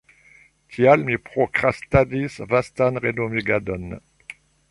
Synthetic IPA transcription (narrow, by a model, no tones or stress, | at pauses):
t̪ʰjalmipχokχast̪ad̪isvast̪anʁed̪omiɡad̪ɔn